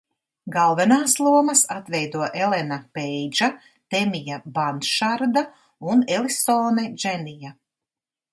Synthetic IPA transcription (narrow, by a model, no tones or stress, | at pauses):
ɡalˠvɛnaːslˠuɔmɐsat̪vɛjd̪uɔʔelenapɛjd͡ʒa | t̪emijabant̪ʃaɾd̪a | unelisoːnɛd͡ʒɛnija